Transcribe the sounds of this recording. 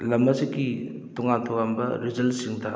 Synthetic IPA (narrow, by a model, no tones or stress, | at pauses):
lɐmːɐziki | tɔŋatʰɔɡambɐɾid͡ʒɐlsiŋdɐ